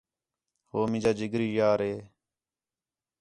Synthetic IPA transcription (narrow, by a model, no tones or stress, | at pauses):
hoːmɪ̃d͡ʒaːd͡ʒɪɡɾiːjaːɾeː